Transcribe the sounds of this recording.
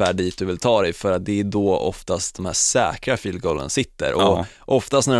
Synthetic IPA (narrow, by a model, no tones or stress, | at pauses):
æːɖiːt̪̚d̪ɵvɪlt̪ʰɑːd̪ɛjfœɾat̪̚d̪ɛæd̪ɔɔ̰ft̪ast̪̚d̪̥ɔmhæːsɛːkɾafiːlɡɔlːə̰nsɪt̪ːə̰ɾʔɔ | ʔɔft̪ast̪næɖ